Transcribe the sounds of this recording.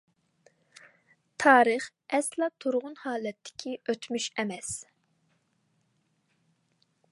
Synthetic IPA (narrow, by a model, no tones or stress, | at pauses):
t̪ʰɑːɾɨχ | ɛslˠɑt̪ʰuɾʁʊnhɑːlɛt̪ʰːɪ̥kʲʰiøt̪ʰmyʃɛmɛs